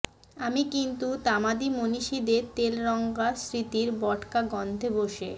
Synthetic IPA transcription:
amikint̪ut̪amad̪imoniʃid̪eɾt̪elɾɔŋɡasɾit̪iɾbɔʈkaɡɔnd̪ʱeboʃe

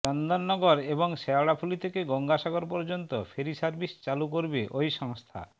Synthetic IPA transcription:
t͡ɕɔnd̪onːɔɡoɾeboŋʃɛoɽapʰulit̪ʰekeɡɔŋɡaʃaɡoɾpɔɾd͡ʑont̪ofʰeɾisaɾbist͡ɕalukoɾbeʔojʃɔŋst̪ʰa̰

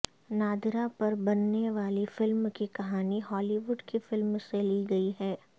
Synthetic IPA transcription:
naːd̪ɾapɐɾbɐnːeʋaːlifɪlmkikɐɦaːniɦɔːliʋʊɖkifɪlmseliɡɐiɦɛː

